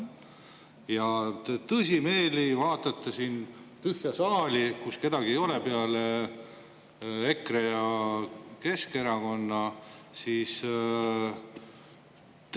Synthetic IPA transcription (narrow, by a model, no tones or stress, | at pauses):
jɑt̪et̪ɤsʲime̞ːlivɑːt̪ːˑɑt̪ˑːesint̪yhjɑsɑːlʲikuske̞d̪̥ɑɡ̥iejo̞lepe̞ɑle | e̞krejɑ | ke̞ske̞ɾɑko̞nːɑsiːs | t̪